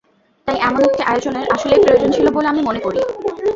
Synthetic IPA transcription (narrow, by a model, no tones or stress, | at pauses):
t̪ajʔɛmonot̪ʰːeʔajod͡ʑoneɾʔaʃolepɾojod͡ʑont͡ɕʰiloboleamimonekoɾi